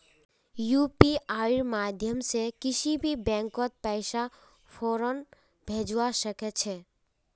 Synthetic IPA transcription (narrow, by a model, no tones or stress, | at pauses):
jupiaːiɾmad̪ʱjəmsekɪt͡ʃʰibʱibɛ̃ːŋkɔt̪̚pɛɪʃa | pʰoːɾən | bʱed͡ʒwaʃəket͡ʃʰe